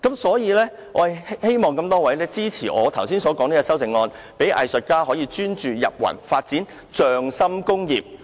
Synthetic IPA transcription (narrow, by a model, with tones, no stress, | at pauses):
kɐ˨˥msɔː˨˥jiː˨˧lɛː˥ | ʔɔ̰ː˨˧˨hhe˥jmɔː˨ŋkɐ˧mt̪ɔː˥wɐ˨˥jlɛː˥t͡siː˥t͡sʰiː˨˩ʔɔ̰ː˨˧t̪ʰɐ˨˩wsiː˥nsɔː˨˥kɔː˨˥ŋniː˥kɔ˧sɐ˥wt͡sɪ˨˧ŋɔː˧n | pe˨˥jʔɐ̰˨jsɵ˨t̚kaː˥hɔː˨˥jiː˧t͡ʃyː˥nt͡ʃyː˨jɐ̰˨p̚wɐ̰˨˩nfaː˧t̚t͡siː˨˥n | t͡ʃœː˨ŋsɐ˥mkʊ˥ŋjiː˨p̚